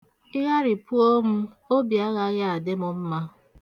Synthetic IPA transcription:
ɪ˦ɦa˦ɾɪ˨pu˦o˦mʊ˦ | o˦bi˨a˦ɣa˦ɣa˦a˨dɪ˦mʊ˦m̩˦ma˦

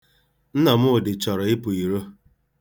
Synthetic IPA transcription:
n̩˦na˨mʊ˦ʊ˨dɪ˨t͡ʃɔ˨ɾɔ˨ɪ˦pʊ˨i˨ɾo˦

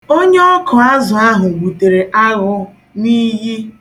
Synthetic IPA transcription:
o˦ɲe˦ɔ˦kʰɔ˨a˦zʊ˨a˦ɦʊ˨ɡ͡bu˨te˨ɾe˨ʔa˦ɣʊ˦ | niː˦ɦi˦

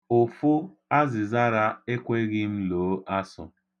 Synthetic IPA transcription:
ʊ˨fʊ˦ | a˦zɪ˨za˦ɾa˦e˦kʷe˦ɣɪ˦m̩˦loː˨˦ʔa˦sʊ̰˨

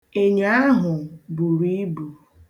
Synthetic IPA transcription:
e˨ɲa˦a˦ɦʊ˨bu˨ɾi˦bu˨

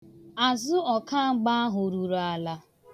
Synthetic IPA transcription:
a˨zʊ˦ɔ˨ka˦ŋ͡m̩˦ɡ͡ba˦a˦ɦʊ˨ɾu˨ɾa˨la˦

